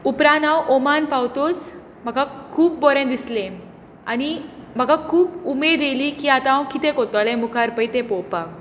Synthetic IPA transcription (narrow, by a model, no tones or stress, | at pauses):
upɾanawʔɔmanpawt̪os | m̤əɡakʰuːp̚bɔɾẽd̪islẽ | anim̤əɡakʰuːpumed̪elikiːat̪ãwkit̪ẽkɔt̪alẽmukʰaɾpəjt̪ẽpɔpa